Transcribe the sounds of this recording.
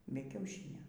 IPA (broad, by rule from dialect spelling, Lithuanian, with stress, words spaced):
ˈbʲɛ kʲɛʊˈʃʲiːnʲoː